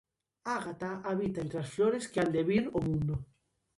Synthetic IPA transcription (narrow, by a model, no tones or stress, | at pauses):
aɣat̪aʔaβit̪aẽnt̪ɾeasfloɾeskeand̪eβiɾomũnd̪o